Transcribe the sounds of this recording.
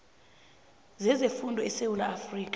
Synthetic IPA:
zɛzefundʱɔɛsewulaːfriːkʼḁ

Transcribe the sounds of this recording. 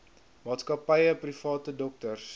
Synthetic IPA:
mɑːtskɐpɛjəprifɑːtədɔk̚tərs

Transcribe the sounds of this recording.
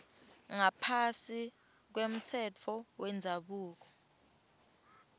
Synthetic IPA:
ŋapʰasi | k̬wem̩t͡sʰɛt͡fʰɔwɛnd͡zʱaɓuːk̬ɔ̥

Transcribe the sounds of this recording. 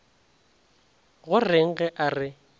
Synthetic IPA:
ɣʊrɪŋ̩ɣɛʔarɪ

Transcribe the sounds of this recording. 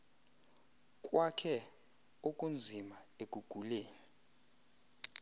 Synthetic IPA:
kʼwakʰɛ | okʼund͡zʱimaek̬ʼuɡ̥ʱuleːi

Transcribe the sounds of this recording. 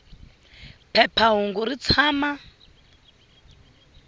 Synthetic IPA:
pʰɛpʰaɦuŋɡuɾit͡sʰaːma

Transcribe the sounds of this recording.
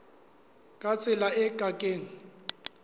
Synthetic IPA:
kʼat͡sʼɪlaɛɡʼʱakʼeːŋ̩

